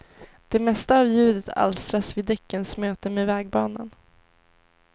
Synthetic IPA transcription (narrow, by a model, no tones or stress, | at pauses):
d̪̥ɛmɛst̪aːvjʉ̟ːd̪ət̪ʰa̰lst̪ɾasvɪd̪ɛkːənsmøːt̪əmevɛːɡ̚bɑːna̰n